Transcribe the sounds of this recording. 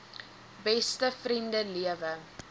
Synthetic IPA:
bɛstəfrimdəliəvə

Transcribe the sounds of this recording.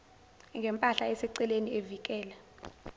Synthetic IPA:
ŋɡʱɛmpʼaɬaɛsɛǀɛlenievikʼɛːlɛ

